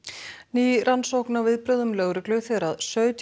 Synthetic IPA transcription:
niːɾʔansowknavɪðpɾœːðʏmlœːwɾʏklʏθɛɾaðsœːɥt̪

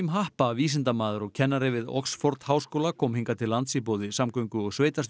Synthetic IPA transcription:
mɦahpaviːs̬ɪnt̪amaːðʏɾɔɣcʰɛnːaɾɪvɪðɔ̰ksfɔɾt̪haːwskoːwlakʰɔːmhiŋkat̪ʰɪlːant̪sipoːwðɪsamkœŋkʏɔɣsveːjt̪ast̪

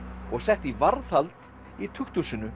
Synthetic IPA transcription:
ɔɣsɛht̪ivaɾθalt̪ | it̪ʰʏxt̪ʰusʏnʏ

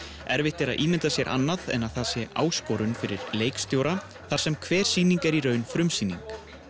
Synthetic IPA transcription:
ɛɾvɪht̪ɛɾaðʔiːmɪnt̪asjɛɾʔa̰nːaðɛ̰naðθaðsjɛa̰ːwskɔwɾʏnfɪɾɪɾleːjkst̪joːwɾa | θaɾ̥sɛmkʰvɛːɾ̥siːniŋkɛɾiɾœːɥnfɾʏmsiːniŋk

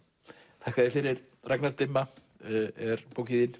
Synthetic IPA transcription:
θʰakʰaðɪfɪɾɪɾ | rʔaɡnaɾd̪ɪmːa | ɛɾb̥owɡɪðin

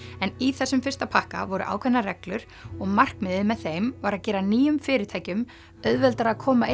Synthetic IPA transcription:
ɛniθɛsːʏmfɪr̥st̪apʰahka̰vɔɾʏ̰ʔa̰ːwkʰvɛnaɾɛklʏɾ̥ | ɔɣmar̥kmɪðɪmɛðθejmvaɾaðcɛːɾaniːjʏmfɪːɾɪɾt̪ʰaːjcʏm | œðvɛlt̪aɾaðkʰɔːmaɪ

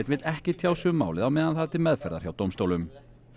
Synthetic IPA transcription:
t̪vɪt̪ɛhcɪt̪ʰjaːwsʏʏmːa̰ːwlɪðawmɛːðanθaðt̪ʰɪlmɛðfɛɾðaɾ̥çjawt̪owmst̪owlʏm

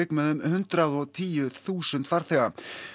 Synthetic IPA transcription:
ɪkmɛðʏmhʏnt̪ɾaðɔɣt̪ʰiːjʏθuːsʏnt̪faɾ̥θɛɣa

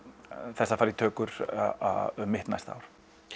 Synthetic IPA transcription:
θɛsːafaːɾit̪ʰœːkʏɾa̰œmɪht̪najst̪a̰ːwɾ̥

